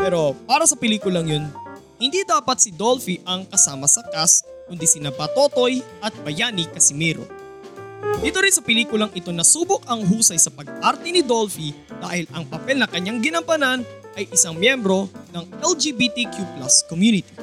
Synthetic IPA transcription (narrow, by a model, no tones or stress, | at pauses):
pɛɾo̞paːɾɐsɐpɛliːkʊlɐŋjon | hɪnd̪id̪aːpɐt̪sɪd̪olfiʔɐŋkɐsaːmɐsɐk̪as | kʊnd̪isɪnabɐt̪o̞t̪o̞jʔɐt̪̚bɐjaːnɪkɐsɪmɛːɾo̰ | d̪iːt̪oɾɪnsɐpɛliːkʊlɐŋʔɪt̪o̞nɐsuːbʊkɐŋɦuːsɐjsɐpɐɡ̚ʔaɾt̪ɛnɪd̪o̞lfi | d̪aːhɪlɐŋpɐpɛlnɐkɐɲːaŋɡɪnɐmpɐnan | ʔɐjʔɪsɐŋmjɛmbɾo̞nɐŋʔɛld͡ʒibit̪ikjuplaskomjuːnɪt̪i̥